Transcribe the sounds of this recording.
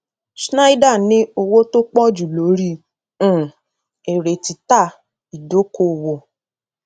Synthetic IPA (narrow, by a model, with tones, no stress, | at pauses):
ʃna˦i˦da˦˨nĩ˦o˧wo˦to˦k͡pɔ̃˦˨d͡ʒu˨lo˨˦ɾĩ˦˨˦ | e˨ɾe˨ti˨ta˦˨ | i˨do˨˦ko˦˨wo˨